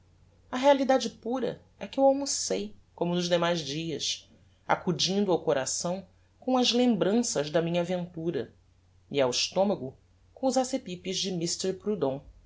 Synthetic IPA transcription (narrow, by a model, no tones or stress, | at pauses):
ɐɦealid̪ad͡ʒɪpuɾɐ̰ | ɛkɪewawmusejkõmʊnʊzd̪emajzd͡ʒiɐs | a̰kud͡ʒĩnd̪ʊawkoɾasɐ̃w̃ | kõw̃ɐzlẽmbɾɐ̃sɐzd̪ɐmĩɲavẽnt̪uɾɐ | iawɪʃt̪õmɐɡʊ | kõʊzasepipizd͡ʒɪmist̪ɛɾpɾud̪õ